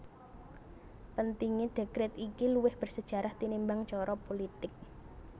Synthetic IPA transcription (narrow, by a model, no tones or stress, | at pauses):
pənt̪iŋid̪̥e̤kɾɛt̪ikiluwɪhb̥ə̤rsəd̥ʒ̥a̤ɾaht̪inimbaŋt͡ʃɔɾɔpolit̪ɪk̚